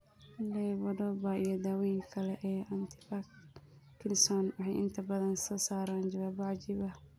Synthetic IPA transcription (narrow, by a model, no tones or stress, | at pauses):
lɛwɐdɔːbaijɔd̪aːwɛːjŋkʰɐlɛʔɛːʔɐnt̪ʰɪ̥pakkʰːɪnsɔnwɑħɑjʔɪ̰nt̪ʰɐbɐðɐnsɔːsaːɾaːnd͡ʒɐwaːbaʕd͡ʒɪβɐ